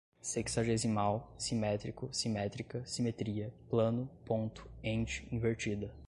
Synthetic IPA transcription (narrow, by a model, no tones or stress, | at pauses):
seksaʒezimawsimɛt̪ɾikʊsimɛt̪ɾikɐsimet̪ɾiɐplɐ̃nʊpõnt̪ʊ̥ẽnt͡ʃɪ̥ĩveɾt͡ʃid̪ɐ